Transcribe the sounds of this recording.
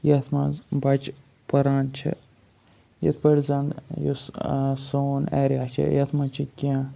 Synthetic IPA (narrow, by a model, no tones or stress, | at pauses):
jɐt̪ʰmɐzbɐt͡ʃ | pɐɾaːnt͡ʃʰḭ | jɐ̰t̪ʰpɐɾzɐnd̪jo̰ssoːnḛːɾaːt͡ʃʰḭjɐt̪ʰmɐt͡ʃʰikã